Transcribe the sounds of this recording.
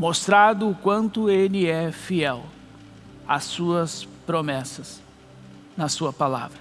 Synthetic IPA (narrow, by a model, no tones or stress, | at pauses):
most̪ɾad̪ʊːkwɐ̃nt̪ʊelɪɛfiɛw | ɐsuɐspɾomɛsɐs | nɐsuɐpala̰vɾɐ